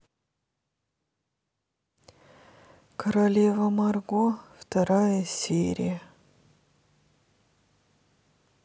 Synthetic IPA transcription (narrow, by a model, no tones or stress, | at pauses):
kʰəɾɐlʲevəmɐrɡoft̪ɐɾajəsʲeɾʲɪ̰jə